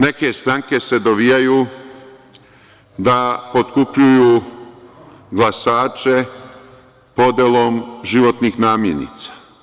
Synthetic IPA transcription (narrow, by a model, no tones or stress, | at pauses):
ne̞ke̞st̪ɾaŋke̞se̞d̪oʋijajuː | d̪apo̞t̪kupʎujuː | ɡlasaːt͡ʃe̞ | po̞d̪jelˠomʒiʋo̞t̪nixnaːmjenḭt̪sḁ